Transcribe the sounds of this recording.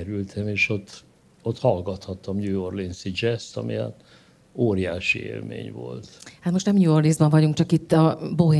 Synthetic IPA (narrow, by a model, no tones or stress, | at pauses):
ɾylt̪ʰɛmeːʃot̪ː | ot̪hɒlɡɒt̪hɒt̪ːɒmɲujorlinsid͡ʒɛst̪ɒ̰mḭa̰t̪ː | oːrija̰ːʃiḛːlmḛːɲvo̞̰lt̪hat̪mo̞ʃt̪nɛmɲujorlizbɒɱvɒɟuŋk̚t͡ʃɒkit̪ːɒboɦe